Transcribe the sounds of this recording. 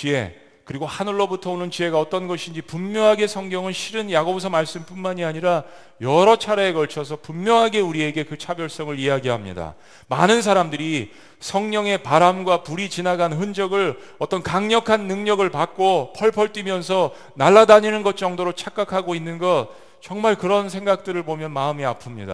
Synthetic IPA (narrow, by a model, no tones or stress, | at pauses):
t͡ɕie̞̰ | kɯɾiɡohanɯɭːobutʰʌonɯnt͡ɕie̞ɡaʌt͈ʌnɡʌɕʰind͡ʑipumjʌŋɦaɡe̞sʰʌŋɡjʌŋɯnɕʰiɾɯnjaɡobus̬ʰʌmaɭs͈ɯmp͈unmaɲiaɲiɾa | jʌɾʌt͡ɕʰaɾaekʌɭt͡ɕʰʌs̬ʰʌpumːjʌŋɦaɡe̞uɾie̞ɡe̞kɯt͡ɕʰabjʌɭs͈ʌŋɯɾijaɡiɦamɲḭda̰ | ma̰nɯnsʰaɾamdɯɾi | sʰʌŋɲʌŋe̞paɾamɡwapuɾit͡ɕinaɡanɦɯnd͡ʑʌɡɯɭ | ʌt͈ʌnkaŋɲʌkʰanːɯŋɲʌɡɯɭpak̚k͈opʰʌɭpʰʌɭt͈imjʌns̬ʰʌ | naɭːadaɲinɯnɡʌt̚t͡ɕ͈ʌŋdoɾot͡ɕʰak͈akʰaɡoinːɯnɡʌt̚ | t͡ɕʌŋmaɭkɯɾʌns̬ʰe̞ŋɡak̚t͈ɯɾɯɭpomjʌnmaɯmia̰pʰɯmɲida̰